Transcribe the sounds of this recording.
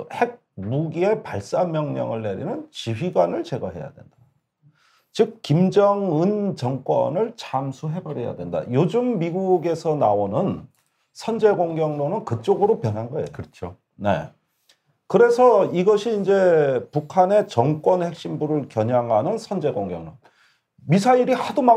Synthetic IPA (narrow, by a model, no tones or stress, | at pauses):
he̞ɡ̚muɡie̞paɭs͈amjʌŋɲʌ̰ŋɯɭːe̞ɾḭnɯnt͡ɕiɸɥiɡwanɯɭt͡ɕe̞ɡʌɦe̞ja̰dwe̞̰nd̥a | t͡ɕɯk̚k͈ːimd͡ʑʌŋɯnt͡ɕʌŋk͈wʌ̰nɯɭt͡ɕamsʰuɦe̞bʌɾe̞ja̰dwe̞nda̰jod͡ʑɯmːiɡuɡe̞sʰʌnaonɯn | sʰʌnd͡ʑe̞ɡoŋɡjʌŋnonɯnkɯt͡ɕ͈oɡɯɾopjʌnɦanɡʌḛjot͡ɕʰo | ne̞̰ | kɯɾe̞sʰʌiɡʌɕʰiːnd͡ʑe̞pukʰane̞t͡ɕʌŋk͈wʌnhe̞k̚ɕ͈imbuɾɯɭkjʌɲaŋɦanɯnsʰʌnd͡ʑe̞ɡoŋɡjʌ̰ŋnoŋ | misʰaiɾihaduma